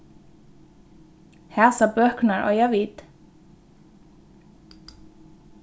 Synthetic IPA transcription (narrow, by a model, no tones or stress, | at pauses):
hɛsabœhknaɹɔ̰javiːt̪